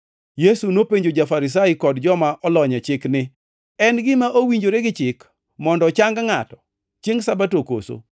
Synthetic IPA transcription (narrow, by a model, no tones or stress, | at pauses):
jesunopeɲd͡ʒod͡ʒafaɾɪs̬aɪkɔdd͡ʒɔmaʔɔlɔɲɛt͡ʃɪknɪ | ɛnɡɪmaʔowiɲd͡ʒoɾeɡɪt͡ʃɪk | mɔndɔt͡ʃaŋɡaŋatɔ̥ | t͡ʃieŋsabatoko̰so̰